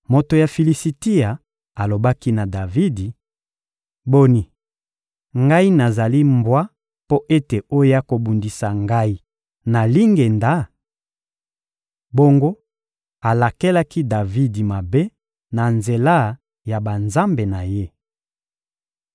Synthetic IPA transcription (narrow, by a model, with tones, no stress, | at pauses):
mo˨to˨ja˨fi˨li˨si˨ti˦a˨ | a˨lo˨ba˦ki˦na˨da˨vi˦di˨ | bo˦ni˨ | ŋɡa˦i˦na˨za˨li˦mbwa˦ | po˦ʔe˦te˨o˦ja˦ko˨bu˨ndi˨sa˨ŋɡa˦i˦ | na˨li˦ŋɡe˨nda˦ | bo˦ŋɡo˦ | a˨la˨ke˦la˦ki˦da˨vi˦di˨ma˨be˦ | na˨nze˨la˦˨ | ja˨ba˨nza˦mbe˨na˨je˦